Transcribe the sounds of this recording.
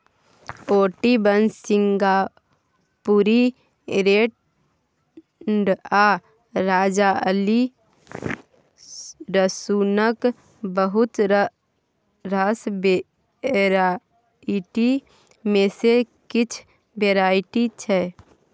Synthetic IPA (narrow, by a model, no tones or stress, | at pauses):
oːʈibənsɪŋɡa | puɾi | ɾeːʈ | ɳɖa | ɾaːd͡ʒaəli | ɾəsunək | bəɦʊt̪ | ɾasbe | ɾa | iʈi | mẽse | kɪt͡ʃʰ | beːɾaːɪʈit͡ʃʰɛ